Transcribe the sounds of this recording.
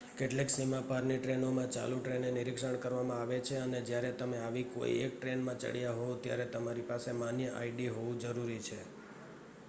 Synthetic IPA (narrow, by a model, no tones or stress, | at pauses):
keʈleksimapaɾniʈɾenomãt͡ʃa̰luʈɾeneniɾikʃəɳkəɾʋamãaʋet͡ʃʰeəned͡ʒjaɾet̪əmeaʋiko̰ḭḛk̚ʈɾenmãt͡ʃə̰ɽjaɦot̪ja̰ɾet̪əmaɾipasemanjəʔa̰iɖiɦoʋũd͡ʒəɾuɾit͡ʃʰe